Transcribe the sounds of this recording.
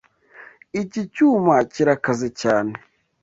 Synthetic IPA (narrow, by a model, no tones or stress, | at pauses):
icicuːmaciɾakazecaːne